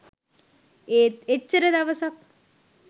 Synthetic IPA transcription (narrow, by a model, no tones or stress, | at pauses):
eːt̪et͡ɕːɐɾɐd̪ɐʋɐsɐk̚